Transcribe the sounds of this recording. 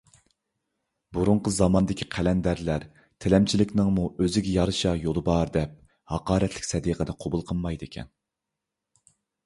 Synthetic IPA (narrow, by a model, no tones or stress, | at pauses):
buɾuɴqʰəzɑmɑnd̪ɪkʲʰi̥qʰælɛnd̪æɾlæɾ | t̪ʰɪlɛmt͡ʃʰilɪkʲnɪŋmuøzɪɡʲɛjɑɾɨʃɑjolˠɨbɑɾd̪ɛp̚ | hɑqɑːɾɛt̪lɪ̥kʲsɛd̪iːqʰəd̪ɛqʰobulˠqʰəlˠmɑjd̪ekʲʰɛ̰n